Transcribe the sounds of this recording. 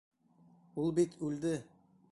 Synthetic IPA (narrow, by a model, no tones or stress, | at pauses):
ulˠbit̪ʰʉld̪ɘ